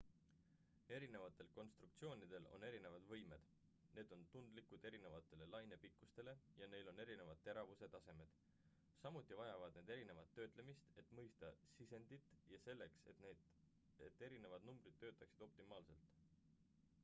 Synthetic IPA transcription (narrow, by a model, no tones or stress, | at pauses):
e̞ɾine̞vɑt̪ːˑe̞lko̞nst̪ɾuk̚t̪sio̞ːnid̪̥e̞lo̰ne̞ɾine̞vɑd̪̥vɤjme̞d̪̥ | ne̞ːd̪̥o̞nt̪und̪likud̪̥e̞ɾine̞vɑt̪ˑːe̞le̞lɑjne̞pikːˑust̪e̞le̞jɑne̞jlo̞ne̞ɾine̞vɑd̪̥̚t̪ːe̞ɾɑvuse̞t̪ɑse̞me̞d̪̥ | sɑmut̪ʲːˑivɑjɑvɑd̪̥ne̞ːd̪e̞ɾine̞vɑt̪ːø̞ːt̪ˑle̞mist̪e̞t̪ːˑmɤjst̪ɑsise̞nd̪̥it̪ːˑjɑse̞lːe̞kset̪ne | et̪ːˑe̞ɾine̞vɑd̪̥numb̥ɾid̪̥t̪ːø̞ːt̪ːˑɑksid̪̥o̞p̚t̪imɑːlse̞lt̪ˑ